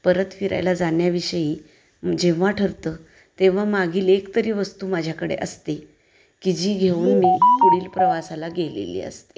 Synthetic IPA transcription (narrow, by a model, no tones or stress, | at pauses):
pəɾət̪fiɾa̰jlad͡zanjaʋiɕəjĩː | d͡ʑẽʋ̤aʈʰəɾt̪əː | t̪eʋ̤amaɡʱiːlekt̪əɾiːʋəst̪uːmad͡ʑʱjakəɽḛʔəst̪e | kid͡ʑiːɡʱeuːnmiːpuɽiːlpɾəʋasalaɡelḛlḭːə̰st̪e̥